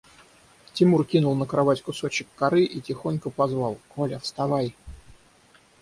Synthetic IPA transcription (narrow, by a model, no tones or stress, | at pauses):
tʲɪmurkʲinʊlˠnəkɾɐvatʲkʊso̞t͡ɕɪkːɐɾɨʔitʲɪxo̞nʲkəpɐzvɑlˠkolʲəfst̪ɐvaj